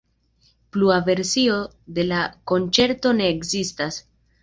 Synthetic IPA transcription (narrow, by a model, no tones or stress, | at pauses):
pluave̞ɾsio̞ | d̪e̞lako̞nt͡ʃe̞ɾto̞ne̞ːkzistas